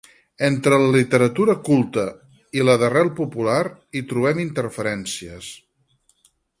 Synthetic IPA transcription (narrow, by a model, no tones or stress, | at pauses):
ent̪ɾələlit̪əɾət̪uɾəkulˠt̪ə | iləðərɛlˠpupulaɾit̪ɾuβ̞ɛmint̪ərfəɾɛnsiəs